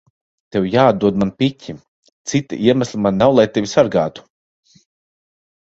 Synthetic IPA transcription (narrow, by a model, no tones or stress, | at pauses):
t̪ewjaːd̪d̪uɔd̪manpitʲʰi | t̪sit̪ḭʔiɛmæslˠimanːawlˠajt̪evʲisaɾɡaːt̪u̥